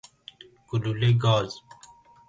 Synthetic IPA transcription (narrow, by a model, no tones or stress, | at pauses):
kululeɡaːz